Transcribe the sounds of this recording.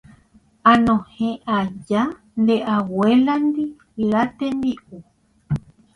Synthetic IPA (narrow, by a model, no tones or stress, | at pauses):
ãnõhẽʔad͡ʒa | nd̪eʔaweland̪i | lat̪end̪iʔu